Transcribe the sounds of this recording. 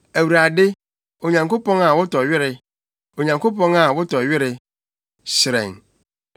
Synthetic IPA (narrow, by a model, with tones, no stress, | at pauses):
æ˨wu˨ɾa˨dɪ˦ | o˨ɲã˨ŋko˦pɔ̃˦ŋa˨wʊ˦tɔ˨ɥɪ˦ɾɪ˨ | o˨ɲã˨ŋko˦pɔ̃˦ŋa˨wʊ˦tɔ˨ɥɪ˦ɾɪ˨ | sɪ˨ɾɛ̰̃˨ŋ